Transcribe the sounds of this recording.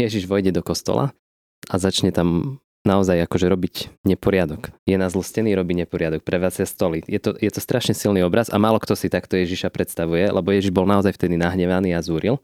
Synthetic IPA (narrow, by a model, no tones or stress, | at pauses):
jɛʒiʒʋɔjɟɛd̪ɔkɔst̪ɔ̰lʔa̰ | ʔazat͡ʃɲɛt̪am | naɔzajakɔʒɛɾɔbiɟɲɛpɔɾɪad̪ɔkjɛnazl̩scɛniːɾɔbiɲɛpɔɾɪad̪ɔk̚pɾɛʋaːd͡zast̪ɔlijɛt̪ɔjɛt̪ɔst̪ɾʔaʃɲɛsilniɔbɾaza̰maːlɔkt̪ɔsit̪akt̪ɔjɛʒiʃapɾɛt̪st̪aʋujɛlʔɛ̰bɔjɛʒiʒbɔlnaɔzajft̪ɛd̪inaɦɲɛʋaniːazuːɾil